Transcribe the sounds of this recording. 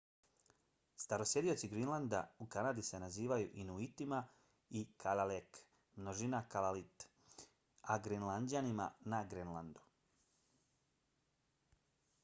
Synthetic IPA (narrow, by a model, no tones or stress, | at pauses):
st̪aɾo̞sje̞d̪io̞t̪siɡɾinlˠand̪a̰ukanaːd̪ise̞naziːʋajuʔinuit̪ima | ikʰalalek | mnoʒinakalalit̪ | aɡɾinlˠand͡ʑanima̰naɡɾenland̪u̥